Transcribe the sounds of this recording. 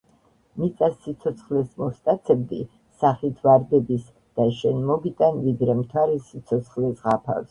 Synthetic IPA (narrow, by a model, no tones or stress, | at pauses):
mit̪sʼasːit̪sʰɔt̪sʰχlɛsmɔst̪ʼat̪sʰɛb̚d̪iː | aχit̪ʰvaɾd̪ɛbis | d̪̥aʃɛnmɔɡit̪ʼanvid̪ɾɛmt̪ʰwaɾɛsit̪sʰɔt̪sʰχlɛsʁapʰa̰fs